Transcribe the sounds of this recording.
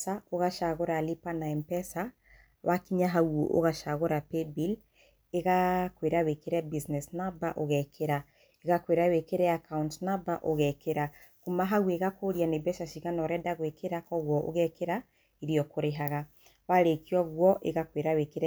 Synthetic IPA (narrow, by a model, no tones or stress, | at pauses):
saoɣaʃaɣoɾalipanaɛmpɛsa | βakiɲaɦawo̰ʔo̰ɣaʃaɣoɾapebil | eɣakweɾawekeɾɛbisnɛsnabaʔoɣɛkʰeɾa | eɣakweɾawekeɾɛjakauntnabaʔoɣɛkeɾa | kumaɦaɣweɣakoɾianebɛʃaʃiɣanɔɾɛdaɣwekʰeɾakɔɣwɔʔo̰ɣɛkeɾa | iɾiɔkoɾeɦaɣa | βaɾekiɔɣwɔʔḛɣakweɾawekeɾɛ